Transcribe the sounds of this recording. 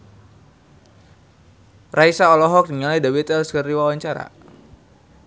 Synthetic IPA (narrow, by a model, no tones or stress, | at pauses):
rʔaisaɔlɔɦɔk̚diŋaladawit̪ɛlskərdiwawaɲt͡ʃaɾa̰